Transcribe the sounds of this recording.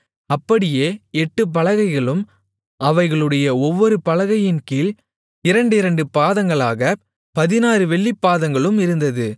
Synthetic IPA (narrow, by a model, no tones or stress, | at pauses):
ɐpːɐɽɪjeːɛʈːɯp̬ɐɭɐɣɐɪɣɐɭɯm | ɐʋɐɪɣɐɭɯɽɐjɐɔʋːɔɾɯpɐɭɐɣɐjɪnkiːl | ɪɾɐɳɖɯɪɾɐɳɖɯpaːðɐŋɡɐɭaːɣɐ | pɐðɪnaːɾɯʋɛɭːipːaːðɐŋɡɐɭɯmɪɾɯnd̪ɐðɯ